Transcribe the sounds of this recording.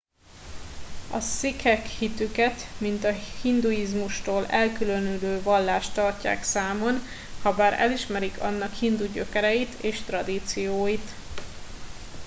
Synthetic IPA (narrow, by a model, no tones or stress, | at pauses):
ɒ̰sikɛkhit̪ykɛt̪mint̪ɒhind̪ujizmuʃt̪oːlɛlkylø̞nyløːvɒlːaːʃt̪ɒrca̰ːksaːmo̞n | hɒbaːɾɛ̰liʃmɛɾikʰɒ̰nːɒkhind̪uɟø̞̰kɛɾɛjit̪ʰeːʃt̪rɒd̪iːt̪sijoːjit̪